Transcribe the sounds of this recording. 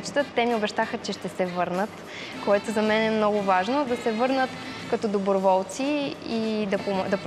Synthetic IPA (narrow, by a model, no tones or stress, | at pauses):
t͡ʃt̪ət̪ːɛmiʊbɛʃt̪axət͡ʃɛʃt̪ɛsɛvɤɾnət̪ | koɛt̪ozɐmɛnɛmnɔɡʊvaʒnod̪ɐsɛvɤɾnət̪kɐt̪ɔd̪obɾovɔlˠt̪siid̪ɐpomd̪ɐp